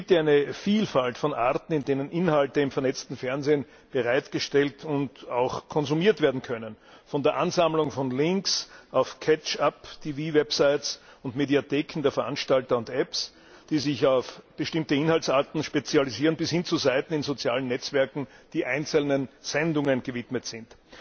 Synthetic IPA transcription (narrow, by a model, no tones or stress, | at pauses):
sɡiːp̚tjaæɛɪnəfiːlfaltfɔnʔa̰ɐtn̩ɪndeːnənʔɪnhaltəɪmfɛɐnɛt͡stn̩fɛɐnzeːn | b̥əʁaɪtɡ̥əʃtɛltʰʊntaʊxkʰɔnzumiːɐtv̥eːɐdn̩kʰœnən | fɔndeːɐʔanzamlʊŋfɔnlɪŋksʔaʊfkʰɛt͡ʃaptʰiːviːvɛpsaɪtsʊntmediatʰeːkʰn̩deːɐfɛɐʔa̰nʃtaltɐʊntʔɛps | d̥iːzɪçaʊfb̥əʃtɪmtəɪnhaltsaːɐtn̩ʃpet͡sjaliziːʁənbɪshɪnt͡suzaɪtn̩ɪnzot͡sja̰ːlənːɛt͡sv̥ɛɐkŋ̩d̥iːʔaɪnt͡sl̩nənz̥ɛndʊŋənɡ̥əvɪtmətz̥ɪnt